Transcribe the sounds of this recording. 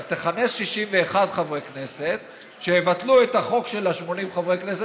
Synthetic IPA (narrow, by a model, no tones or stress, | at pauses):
z̥t̪eχane̞sʃiʃimveːχadχavʁekne̞set̪ | ʃeevat̪luet̪aχo̞kʃe̞laʃmo̞nimχavʁekne̞se